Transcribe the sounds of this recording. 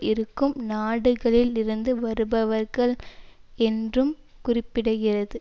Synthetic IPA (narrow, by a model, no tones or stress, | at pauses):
ɪɾɯkːɯmnaːɽɯɣɐɭɪlɪɾɯnd̪ɯʋɐɾɯbɐʋɐɾɣɐɭɛndrɯm | kʊrɪpːɪɽɐɣɪrɐðɯ